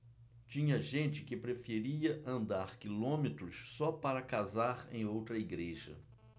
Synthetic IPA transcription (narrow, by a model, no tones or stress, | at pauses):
t͡ʃĩɲɐʒẽt͡ʃɪkɪpɾefeɾiɐʔɐ̃nd̪aɾkilõmet̪ɾʊssɔpaɾɐkazaɾḛ̃j̃owt̪ɾɐiɡɾeʒɐ̰